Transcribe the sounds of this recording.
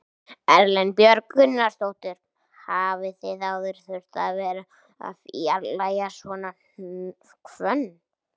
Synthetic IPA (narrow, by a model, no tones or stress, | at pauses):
ɛɾlɛnpjœɾkʏnːḁst̪owt̪ɪɾ̥ | haːvɪθɪðawðʏɾ̥θʏɾ̥t̪aðvɛːɾa | a̰fjalajasvɔna | kʰvœnː